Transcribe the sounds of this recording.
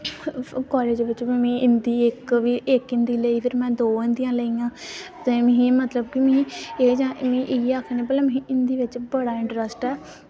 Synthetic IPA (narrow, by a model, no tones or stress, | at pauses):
kɔːleːd͡ʒeʋɪt͡ʃbimĩːʔɪnd̪iːɪkʋiːʔekɪnd̪iːləiːpʰɪɾmɛ̃ːd̪oːɪ̃nd̪ijãːləiːãːt̪emẽɦĩːmət̪ləbkimĩːeːd͡ʒãːmĩːʔɪaːkʰeneːpəːlãːm̃ĩːɪnd̪iːʋɪt͡ʃbəɽaːɪ̃ɳʈɾəsʈɛː